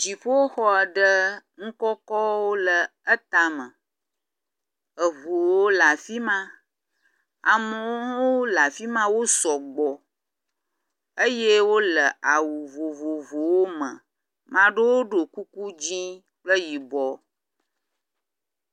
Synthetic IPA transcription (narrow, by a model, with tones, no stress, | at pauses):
d͡ʒi˨ɸo˦o˦xɔ˦ɛ˨ɖə˦ŋ̩˦kɔ˦kɔ˦wo˦lə˨ | ə˦t̪a˨mə̃˨ | ə˨vo˨wo˦la˨fi˦mã˦ | a̰˨mə̃˨wwo˦la˨fi˦mã˦wo˦sɔ˨ɡ͡bɔ˨ | ə˦je˦wo˦lə˨a˨wu˨vo˨vo˨vo˨wo˦mə̰̃˨ | mã˨ɖe˦wo˦ɖo˨ku˦ku˦d͡ʑi˦ | k͡plə˦ji˨bɔ˨